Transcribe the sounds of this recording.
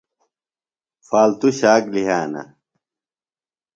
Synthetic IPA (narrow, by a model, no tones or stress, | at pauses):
faːlt̪uɕaːkliɦaːnɐ̰